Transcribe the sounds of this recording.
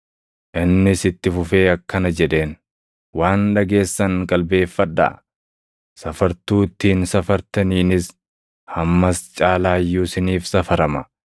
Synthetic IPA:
ʔɪnːɪsɪt̪ːɪfʊfe̞ːɐkːɐnɐd͡ʒɛᶑe̞ːn | waːnᶑɐɡe̞ːsːɐŋkʼɐlbe̞ːfːɐᶑ̪a̰ː | sɐfɐɾt̪uːt̪ːiːnsɐfɐɾt̪ɐniːnɪs | hɐmːɐst͡ʃʼaːlaːjːuːsɪniːfsɐfɐɾɐmɐ

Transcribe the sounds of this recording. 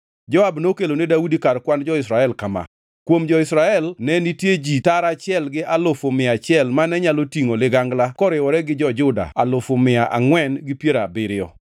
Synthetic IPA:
d͡ʒɔabnokelonedaudikarkwand͡ʒɔɪsɾaɛlkama̰ | kwomd͡ʒɔɪsɾaɛlnɛnitjed͡ʒitaɾat͡ʃɪɛlɡɪʔalʊfomɪat͡ʃɪɛlmanɛɲalotiŋolɪɡaŋɡlakɔɾɪwɔɾɛɡɪd͡ʒɔd͡ʒʊda̰alʊfomɪaʔa̰ŋwɛnɡɪpjeɾabɪɾɪɔ

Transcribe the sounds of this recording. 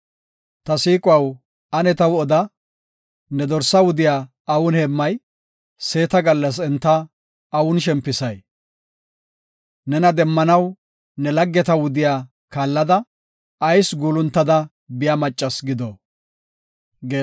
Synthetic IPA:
t̪ɐsiːkʼʊwɐw | ɐnɛt̪ɐwɔd̪ɐ | nɛd̪ɔɾsɐwʊd̪ɪjaː | ɐwʊnhemːɐj | se̞ːt̪ɐɡɐlːɐs̬ɛnt̪ːɐ | ɐwʊnʃ̬ɛmpːɪsɐj | nɛnɐd̪ɛmːɐnɐw | nɛlɐɡːɛt̪ɐwʊd̪ɪjaː | kaːlːɐd̪ɐ | ɐjsɡuːlʊnt̪ːɐd̪ɐ | bɪjamɐt͡ʃʼːɐsɡɪd̪ɔ | ɡeː

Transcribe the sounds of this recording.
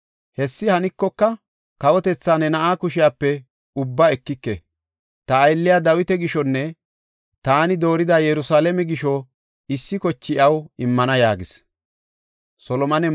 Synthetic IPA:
hɛsːɪhɐnɪkːɔkːɐ | kɐwɔt̪ɛt͡sːaːnɛnɐʔaːkʊʃɪjaːpːɛ | ʊbːaɛkːɪkːɛ | t̪ɐːjlːɪjad̪ɐwɪt̪ɛɡɪʃɔnːɛ | t̪aːnɪd̪o̞ːɾɪd̪ajɛɾʊsaːlɛmɛɡɪʃɔ | ɪsːɪkɔt͡ʃːɪʔɐwɪmːɐnɐjaːɡɪs | sɔlɔmɐnɛ

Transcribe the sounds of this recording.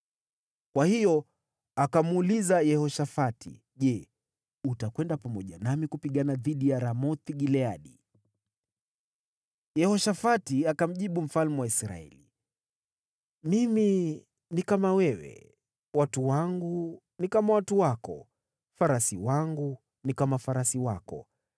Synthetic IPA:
kwahijɔ | akamulizajɛhɔʃafatʰḭ | ʄɛ | utakwɛndapamɔʄa̰namikupiɠanaðiɗijaɾamɔt̪iɠilɛaɗi | jɛhɔʃafatiakam̩ʄiɓum̩falmɛwaisɾa̰ɛ̰li | mimi | nikamawɛwɛ̰ | watuwaŋɡu | nikamawatuwakɔ̰ | faɾasiwaŋɡu | nikamafaɾasiwakɔ̰

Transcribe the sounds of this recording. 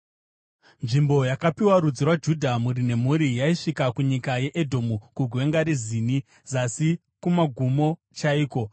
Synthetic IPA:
nʐimbo̞jakapiwaɾud͡zirwad͡ʒudʱamuɾine̞m̤uɾijaiʂikakuɲikaje̞ʔedʱo̞mukuɡʱwe̞ŋɡaɾiziːni | zasi | kumaɡʱumo̞ | t͡ʃaiːko̞

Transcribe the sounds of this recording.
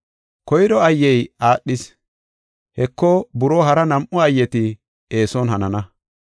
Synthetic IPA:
kɔjdɔɐjːɛjaːɗːɪs | hɛkːɔbʊɾoːɦɐɾɐnɐmʔʊɐjːɛt̪ɪ | e̞ːsɔnhɐnɐnɐ

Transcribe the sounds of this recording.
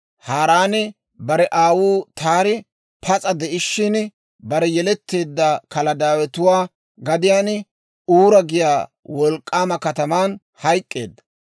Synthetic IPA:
haːɾaːnɪ | bɐɾɛʔaːwuːt̪aːɾɪ | pʰɐt͡sʼɐd̪ɛɪʃːɪn | bɐɾɛjɛlɛt̪ːe̞ːd̪ːɐkɐlɐd̪aːwɛt̪ʊwaː | ɡɐd̪ɪjaːn | uːɾɐɡɪjaː | wɔlkʼːaːmɐkɐt̪ɐmaːn | hɐjkʼːe̞̰ːd̪ːɐ

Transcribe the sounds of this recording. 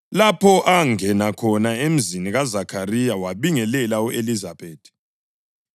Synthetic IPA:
lapʰɔʔaŋɛnakʰɔnaem̩ziniɣazakʰarijawaβiŋɛlɛlauʔelizabeːd̥ʰʱʼi̥

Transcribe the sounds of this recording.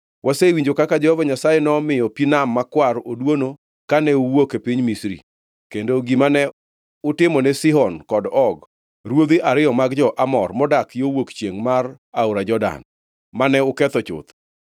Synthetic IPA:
wʔasewiɲd͡ʒokakad͡ʒɛhɔvaɲasajɛnɔmɪjɔpinamːakwaɾodwono | kanɛuwokepiɲmisɾḭ | kendoɡimanɛ | ʊtɪmɔnɛsɪɦɔnkɔdɔɡ | ɾwod̪iʔaɾɪjɔmaɡd͡ʒɔʔamɔrmɔdakjowokt͡ʃjeŋmar | aoɾad͡ʒɔda̰n | manɛʊkɛt̪ɔt͡ʃʊ̰t̪

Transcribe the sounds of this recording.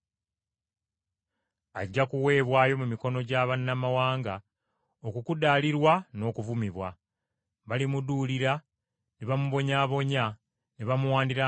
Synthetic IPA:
aɟːakuwe̞ːβwaːjo̞mumiko̞no̞ɟaːβanːamawaːŋɡa | okukudaːliɾwano̞ːkuvumiβwa | βalimuduːliɾa | neβamuβo̞ɲaːβo̞ɲa | neβamuwaːndiɾa

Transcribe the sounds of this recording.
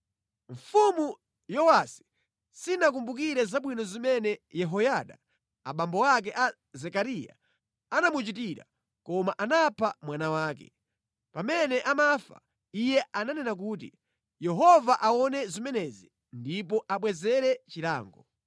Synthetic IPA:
ɱ̩fumu | jɔwasi̥ | sinak̬umbuk̬iɾɛzaɓwinɔzimɛnɛjɛɦɔjaɗa̰ | a̰ɓambɔwak̬ɛʔa | zɛkaɾija̰ | anamut͡ʃit̬iɾa̰ | kɔmaʔanapʰamwanawaːkɛ̰ | pamɛnɛʔamafa̰ | ijɛʔananɛnak̬uːt̬ḭ | jɛɦɔvaʔawɔnɛzimɛnɛzi | ndip̬ɔʔaɓwɛzɛɾɛt͡ʃila̰ːŋɡɔ

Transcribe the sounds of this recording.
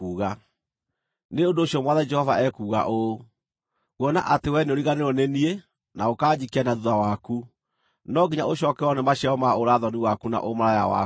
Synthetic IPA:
uːɣa | neondoːɕjɔmwaðɛd͡ʒɛhɔvaɛkuːɣa̰ʔo | ɣwɔna̰ʔatewɛneoɾiɣaneɾɔnenie | naokaːd͡ʑikianaðuðawaku | nɔɡiɲaoɕɔkɛɔnɛmaɕaɔmaoɾaðɔniwakuna̰ʔomaɾaja̰wa̰

